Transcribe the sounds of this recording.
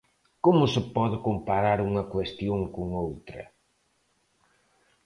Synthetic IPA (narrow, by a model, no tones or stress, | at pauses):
komʊsɪpɔðʊkompaɾaɾuŋɐkwest̪joŋkoŋowt̪ɾɐ̰